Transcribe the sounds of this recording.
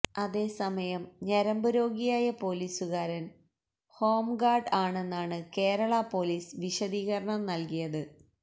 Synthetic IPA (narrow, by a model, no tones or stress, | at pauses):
ɐðe̞ːsɐmɐjɐmɲɐɾɐmbuɾo̞ːɡijaːjɐpo̞ːliːsuɣaːɾɐn | ho̞ːmɡaːrɖaːɳe̞nːaːɳɨke̞ːɾɐɭɐpo̞ːliːsʋiɕɐðiːɣɐɾɐɳɐmnɐlkijɐðɨ